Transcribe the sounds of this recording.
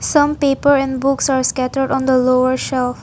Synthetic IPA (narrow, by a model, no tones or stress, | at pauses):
sʌ̃mpeːpəɾɛ̃nɖbʊksaɹskæʈəɾɖɔ̃nd̪əloəɹʃɛlf